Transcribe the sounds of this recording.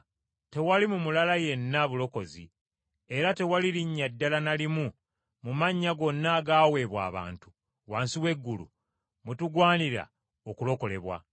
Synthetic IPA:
te̞walimumulalaje̞nːaβulo̞ko̞zḭ | e̞ɾate̞waliɾiɲːadːalanalimu | mumaɲːaɡo̞nːaɡaːwe̞ːβwa̰ːβa̰ːntu̥ | waːnsiwe̞ɡːulṵ | mutuɡwaːniɾa̰ | okulo̞ko̞le̞̰βwa̰

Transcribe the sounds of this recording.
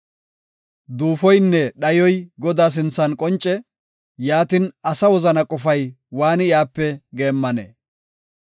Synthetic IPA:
d̪uːfɔjnːɛɗɐjɔjɡɔd̪aːs̬ɪnt͡sːɐnkʼɔnt͡ʃʼːɛ | jaːt̪ɪnɐsɐwɔzɐnɐkʼɔfɐj | waːnɪjaːpːɛɡe̞ːmːɐnḛ

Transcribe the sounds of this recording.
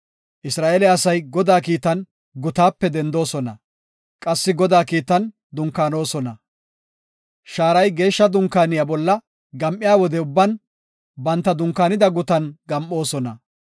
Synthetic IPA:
ʔɪsɾaːʔɛlɛɐsɐjɡɔd̪aːkiːt̪ɐn | ɡʊt̪aːpːɛd̪ɛnd̪o̞ːsɔnɐ̰ | kʼɐsːɪɡɔd̪aːkiːt̪ɐn | d̪ʊŋkːaːno̞ːsɔnɐ | ʃaːɾɐjɡe̞ːʃːɐd̪ʊŋkːaːnɪjɐbɔlːɐ | ɡɐmʔɪjaːwɔd̪ɛʊbːɐn | bɐnt̪ːɐd̪ʊŋkːaːnɪd̪ɐɡʊt̪ɐnɡɐmʔo̞ːsɔnɐ

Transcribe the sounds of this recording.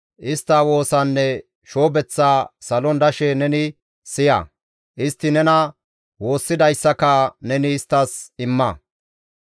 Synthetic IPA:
ʔɪst̪ːaːwo̞ːsɐnːɛ | ʃo̞ːbɛt͡sːaːsɐlɔnd̪ɐʃɛnɛnɪ | sɪjɐ̰ | ʔɪst̪ːɪnɛnɐ | wo̞ːsːɪd̪ɐjsːɐkɐnɛnɪːst̪ːɐsɪmːɐ

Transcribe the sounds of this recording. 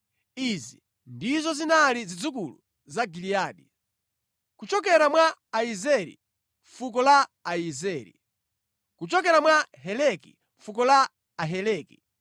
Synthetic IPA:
izi | ndizɔzinalizid͡zukulu | zaɡiliaːɗi | kut͡ʃɔk̬ɛɾamwaːizɛɾḭ | ɱfukɔlaaizɛːɾḭ | kut͡ʃɔk̬ɛɾamwaɦɛlɛkḭ | ɱfukɔlaː | ɦɛlɛːki

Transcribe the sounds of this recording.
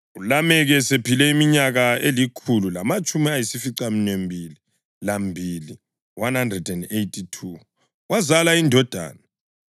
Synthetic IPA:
ulamɛɣɛsepʰilɛimiɲaɣaelikʰululamat͡ʃʼumiajisifiǀam̩nembʱili | lambʱili | wanhandrɛdɛndejtʼʰitʰu | wʔazalaindʱɔd̥ʱa̰ːna

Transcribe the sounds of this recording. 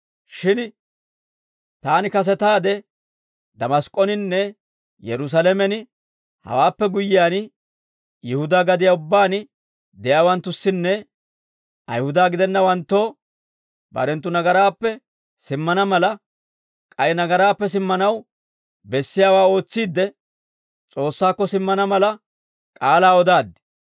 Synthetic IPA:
ʃɪn | t̪aːnɪkɐs̬ɛt̪aːd̪ɛ | d̪ɐmɐskʼːɔnɪnːɛ | jɛɾʊs̬ɐlɛmɛnɪ | hɐ̰waːpːɛɡʊjɪjaːn | jɪhʊd̪aːɡɐd̪ɪjaʊbːaːn | d̪ɛjaːwɐnt̪ːʊsːɪnːɛ | ɐ̰jhʊd̪aːɡɪd̪ɛnːɐwɐnt̪ːo̞ː | bɐ̰ɾɛnt̪ːʊnɐɡɐɾaːpːɛ | sɪmːɐnɐmɐlɐ | kʼɐjnɐɡɐɾaːpːɛs̬ɪmːɐnɐw | bɛsːɪjaːwaːo̞ːt͡sːiːd̪ːɛ | t͡sʼo̞ːsːaːkːɔsɪmːɐnɐmɐlɐ | kʼaːlaːɔd̪aːd̪ːɪ̥

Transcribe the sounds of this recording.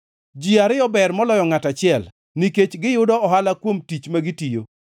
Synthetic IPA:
d͡ʒiaɾɪɔbɛrmɔlɔjɔŋatat͡ʃɪɛl | niket͡ʃɡɪjʊdɔɔɦalakwomtit͡ʃmaɡitijo

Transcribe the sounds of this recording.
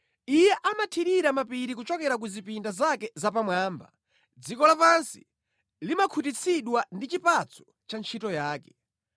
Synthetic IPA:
ijɛʔamatʰiɗiɾamapiɾikut͡ʃɔkɛɾak̬uzipindazakɛzap̬amwaːmba̰ | d͡zikɔlapansi̥̰ | limakʰut̬it͡sʰiɗwandit͡ʃipat͡sʰɔ̥ | t͡ʃant͡ʃʰitɔjaːkɛ̥

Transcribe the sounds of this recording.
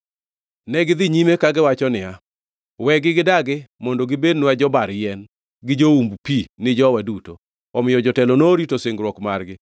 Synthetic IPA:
nɛɡɪd̪ɪɲimekaɡɪwat͡ʃɔnɪa | wɛɡɪɡɪdaɡɪmɔndoɡɪbednad͡ʒɔbaɾjɛn | ɡɪd͡ʒoumbpinɪd͡ʒɔwaduto | ɔmɪjɔd͡ʒɔtɛlɔnoɾitoseŋɡɾwɔkmarɡɪ

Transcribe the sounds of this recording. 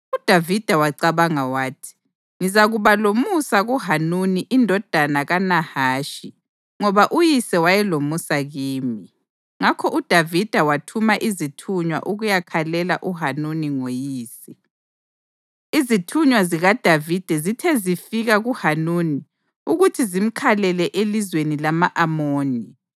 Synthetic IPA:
ud̥ʱavid̥ʱawaǀaβaŋawaːtʰi̥ | ŋizaɣuβalomusaɣuhanuniʔindʱɔd̥ʱanaɣanahaːʃi | ŋɔβaʔujisɛwajɛlomusaɣiːmi | ŋakʰɔʔud̥ʱavid̥ʱawatʰumaʔizitʰuɲwa̰ʔuɣujakʰalɛlaʔuɦanuniŋojiːsi | izitʰuɲwaziɣad̥ʱavid̥ʱɛzitʰɛzifiɣaɣuhanuni | uɣutʰizim̩kʰalɛlɛʔelizwenilamaʔamoːni

